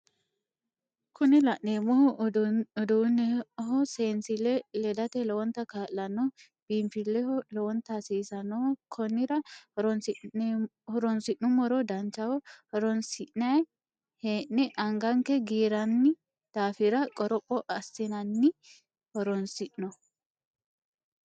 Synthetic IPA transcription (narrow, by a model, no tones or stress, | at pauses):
kʰʊnɛlɐʔneːmɔh | ɔd̪unɦɔseːnsɪlːɛlɛd̪ɐt̪ɛlɔwɔnt̪ːɐkaːlːɐnːɔ | b̥iːmfɪlːɛhɔlɔwɔnt̪ːɐsiːsɐnɔkʰɔnːɪɾɐɔɾɔns | hɔɾɔnsɪʔnʊmɔɾɔd̪ɐnt͡ʃːɐwɔhɔɾɔnsɪʔnɐj | heːʔːɛʔɐŋɡɐŋkɛɡiːɾɐnːɪ | d̪̥aːfɪɾɐkʼɔɾɔpʼːɔʔɐsːɪnɐnːɪ | hɔɾɔnsɪʔnɔ